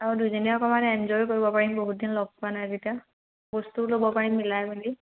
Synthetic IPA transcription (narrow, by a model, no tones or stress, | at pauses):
aɹudujzɔniɔkɔmanɛɛnzɔjkoɹibɔpaɹimboɦut̚dinlɔb̚panazita | bɔstulobɔpaɹimːilajbuli